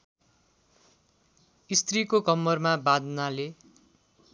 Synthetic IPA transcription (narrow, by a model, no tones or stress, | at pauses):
ist̪rikokʌmːʌrmabad̪nale